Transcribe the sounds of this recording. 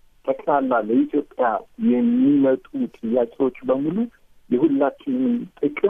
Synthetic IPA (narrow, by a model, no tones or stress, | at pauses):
t̪ʰʼəkʼlalːaləit̪ʰjo̞pʼjajɛmːimət̪ʼut̪ʼɨjakʼiwo̞t͡ʃːbəmulu | jɛhulːat͡ʃːɪnnɨnt̪ʼɨkʼɨ